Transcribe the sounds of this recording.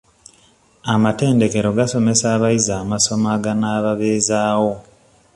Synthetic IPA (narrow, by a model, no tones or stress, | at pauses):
amate̞ːnde̞ke̞ɾoɡaso̞me̞saːβaizaːmaso̞maɡanaːβaβeːzaːwo̞